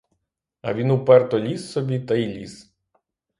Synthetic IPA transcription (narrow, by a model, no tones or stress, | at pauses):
ɐ̰ʋʲinupɛrt̪ɔlʲisːɔbʲit̪ɐilʲḭs